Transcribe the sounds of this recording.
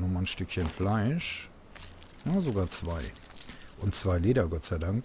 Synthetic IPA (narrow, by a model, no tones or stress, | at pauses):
nʊmanʃtʏkçənflaɪʃ | nəzoɡaːɐt͡sv̥aɪ | ʔʊntt͡sv̥aɪleːdɐɡɔtz̥aɪdaŋk